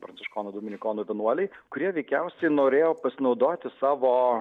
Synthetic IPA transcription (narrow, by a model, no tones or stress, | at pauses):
pɾɐnsʲɪʃkoːnoːd̪uːmʲɪnʲɪkoːnoːʋʲiɛnuɔlʲɛɪkʊɾʲiɛʋʲɛɪkʲɛʊsʲɛɪnoːɾʲeːjoːpɐsʲɪnɒʊd̪oːt̪ʲɪsɑːʋoː